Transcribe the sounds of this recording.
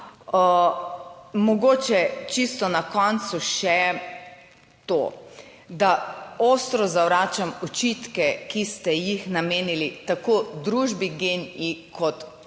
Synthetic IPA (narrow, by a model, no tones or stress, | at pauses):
mɔɡoːt͡ʃɛt͡ʃist̪ɔnakɔnt̪suʃɛ | t̪o̰ː | d̪aoːst̪ɾɔzawɾaːt͡ʃamɔt͡ʃit̪kɛkist̪ɛjixnameːnilit̪akod̪ɾuʒbiɡenikʰɔt̪